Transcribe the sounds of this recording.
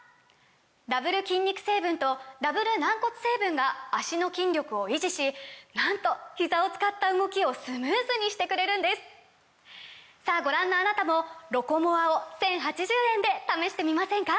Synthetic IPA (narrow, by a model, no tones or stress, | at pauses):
d̪abɯ̟ɾɯ̟kʲĩɲʲːikɯ̟̥se̞ːbɯ̟̃nt̪o̞d̪abɯ̟ɾɯ̟nãŋko̞t͡sɨ̥se̞ːbɯ̟̃ŋɡaaɕino̞kʲĩnɾʲjo̞kɯ̟o̞iʑiɕinãnt̪o̞çizao̞t͡sɨ̥kat̪ːaɯ̟ɡo̞kʲio̞sɨmɯːzɨɲ̟iɕi̥t̪e̞kɯ̟ɾe̞ɾɯ̟̃nd̪e̞sɨ̥ | saːɡo̞ɾãnːoanat̪amo̞ɾo̞ko̞mo̞βao̞sẽ̞ɰ̃ɦat͡ɕiʑɨːẽ̞nd̪e̞t̪ame̞ɕi̥t̪e̞mʲimasẽ̞ŋka